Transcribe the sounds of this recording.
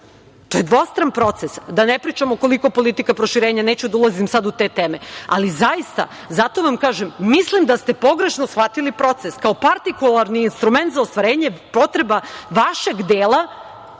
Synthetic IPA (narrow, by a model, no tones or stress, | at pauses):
t̪o̞jed̪ʋo̞st̪ɾanpɾo̞t̪sesd̪anepɾiːt͡ʃamoko̞liko̞po̞lit̪ikapɾo̞ʃiɾeːɲaneːt͡ɕud̪aulˠazimsad̪ut̪eːt̪eːmea̰lizaist̪a̰ | zat̪o̞ʋamkaːʒemːislimd̪ast̪e̞po̞ɡɾeʃnosxʋat̪ilipɾo̞t̪seskao̞paɾt̪ikulˠaɾniːnst̪ɾument̪zaost̪ʋaɾeːɲepo̞t̪ɾebaʋaʃe̞ɡd̪eːlˠa